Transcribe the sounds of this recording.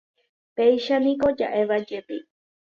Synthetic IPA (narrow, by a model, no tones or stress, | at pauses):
pejʃanĩkod͡ʒa̰ʔeβad͡ʒep̪i